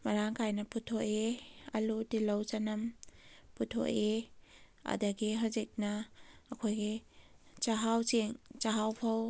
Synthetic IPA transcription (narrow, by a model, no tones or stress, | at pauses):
mɐɾaŋkʰajnɐputʰoʔeɐ̰lutilɐwt͡ʃanɐmputʰo̰ʔe | ɐ̰dɐɡiɦawzik̚nɐːkʰojɡit͡ʃaɦawt͡ʃeŋt͡ʃaɦawpʰɐw